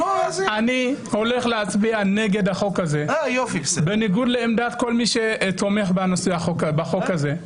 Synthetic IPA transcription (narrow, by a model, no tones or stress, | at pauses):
ozaniho̞le̞χleat͡sbiane̞ɡe̞d̪haχo̞khaze̞ajofiksbeniɡud̪leemd̪at̪ko̞lmiʃe̞to̞meχbanosujaχokbaχo̞kaze̞